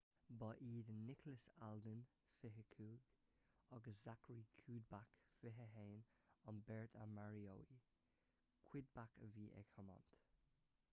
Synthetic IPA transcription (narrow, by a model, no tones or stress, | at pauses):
bɑʔiːdənːɪkʰləsaldən | fɪɦəkʰuːɡ̥ | ɔɡəsz̥akɹiːkʰuːd̚bakfɪɦəɦeːnɔnbɛɹt̪ʰamaɹiowi | kʰw̥ɪd̪̚bakviːʔɛ̰kʰɔmɔ̰nt